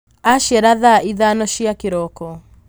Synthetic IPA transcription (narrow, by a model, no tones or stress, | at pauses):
aʃjɛɾaðaiðanɔʃiakeɾɔkɔ